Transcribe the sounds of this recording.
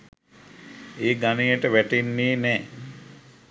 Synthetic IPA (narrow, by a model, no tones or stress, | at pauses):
eːɡanijəʈəʋæʈenːeːnɛː